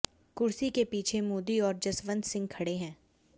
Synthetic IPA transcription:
kʊɾsikepiːt͡ʃʰemoːd̪iɔːɾd͡ʒɐsʋə̃nd̪sɪ̃ŋɡ̚kʰɐɽeɦɛ̃ː

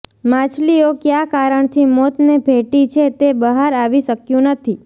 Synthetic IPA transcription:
mãt͡ʃʰliokjakaɾəɳt̪ʰimɔt̪nebʱeʈit͡ʃʰet̪ebəɦaɾaʋiʃəkjũnət̪ʰi

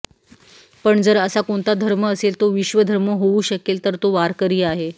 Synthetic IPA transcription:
pəɳd͡zəɾəsakoɳt̪ad̪ʱəɾməːselt̪oʋiɕʋəd̪ʱəɾməɦouɕəkelt̪əɾt̪oʋaɾkəɾiːaɦe

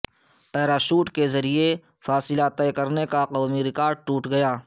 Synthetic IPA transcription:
pɛːɾaʃuːʈkezɐɾie | faːsɪlat̪ɛːkɐɾnekaqoːmiɾɪkaːɾɖ̚ʈuːʈɡɐjaː

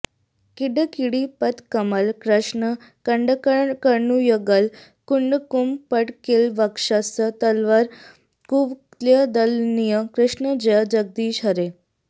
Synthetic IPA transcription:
kiɖəkiɽipət̪kəməlkɾəʂɳə | kəɳɖəkəkəɾɳujəɡəl | kuɳɖkumpəʈkelʋakʂasət̪əlʋaɾ | kuʋ | ljəd̪əlnijəkɾəʂɳəd͡ʑjad͡ʑəɡ̚d̪iːɕɦəɾe

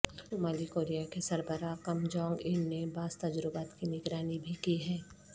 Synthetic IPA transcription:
ʊmaːlikoːɾijakesɐɾbəɾakɐmd͡ʒɔ̃ːŋɡɪnːebaːzt̪ɐd͡ʒɾɪbaːt̪kinɪɡɾaːnibʱikiɦɛː

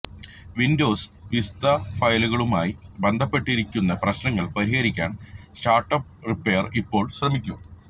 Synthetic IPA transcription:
ʋindo̞ːsʋist̪ɐfɐjluɣɐɭumaːjibend̪ʱɐpːe̞ʈːiɾikʲːunːɐprɐɕnɐŋːɐɭpɐɾiɦɐɾikʲːaːnsʈaːrʈːɐp̚ripːeːɐripːo̞ːɭɕrɐmikʲːu

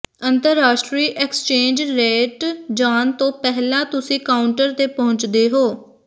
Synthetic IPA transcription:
ənt̪əɾːaːʃʈɾiːʔekst͡ʃẽːnd͡ʒɾeːʈd͡ʒaːnt̪õːpɛɦlãːt̪ʊsĩːkaːʊɳʈəɾt̪eːpɔɦʊ̃ɲt͡ʃd̪eːɦoː

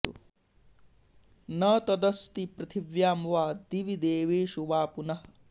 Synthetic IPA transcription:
ṵ | nɐt̪ɐd̪ɐst̪ipɾɐt̪ʰiʋjaːmʋaːd̪iʋid̪eːʋeːʃuʋaːpunɐɦ

